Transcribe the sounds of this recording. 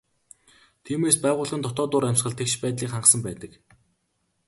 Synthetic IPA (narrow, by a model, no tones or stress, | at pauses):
t̪ʰiːmeːspæːʁʊːɮʁə̆nt̪ʰɔt̪ɔːt̪ʊːɾæmʲsχə̆ɮt̪ʰekʃpæːt̪ɮiːkχaɴɢsə̆mpæːt̪ə̆k